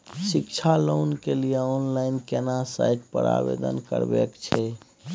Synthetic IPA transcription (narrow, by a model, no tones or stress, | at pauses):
sikt͡ʃʰalonkelijeɔnlaɪnkenasa̰jʈpəɾa̰bḛd̪ənkə̰ɾbekt͡ʃʰɛ